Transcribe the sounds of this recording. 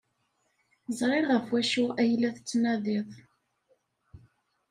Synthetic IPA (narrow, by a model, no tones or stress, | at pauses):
zʁˤɪɾʁəfwæʃʊʔæjlːæθət͡sːnæðɪðˤ